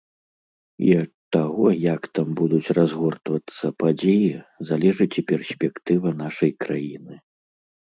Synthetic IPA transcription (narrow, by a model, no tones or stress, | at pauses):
ḭɐt̪ːaɣɔjakt̪ambud̪ut͡sʲrazɣɔrt̪vɐt̪sːɐpad͡zʲejizalʲɛʐɨt͡sʲipʲɛrsʲpʲɛkt̪ɨvɐnaʂɐjkɾajinɨ